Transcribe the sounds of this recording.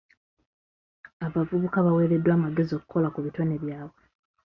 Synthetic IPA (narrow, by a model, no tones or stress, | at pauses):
aβavuβukaβawe̞ːɾe̞dːwaːmaɡe̞zio̞kuko̞lakuβito̞neβjaːβwe